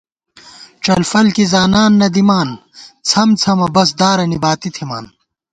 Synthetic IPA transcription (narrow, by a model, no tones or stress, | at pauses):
t͡ʃɐlfɐlkizaːnaːnːɐd̪imaːn | t͡sʰɐmt͡sʰɐmɐbɐs̬d̪aːɾɐnibaːt̪it̪ʰima̰ːn